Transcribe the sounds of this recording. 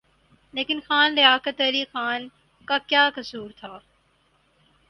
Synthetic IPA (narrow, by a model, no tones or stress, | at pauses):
leːkɪnxaːnɾɪaːkət̪əɾixaːn | kakjaːkɐsuːɾt̪ʰaː